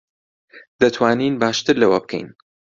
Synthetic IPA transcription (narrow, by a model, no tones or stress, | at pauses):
d̪̥ɐt̪ʰwaːniːnbaːʃt̪ɨɾlɐwɐb̚kʰɛ̰jn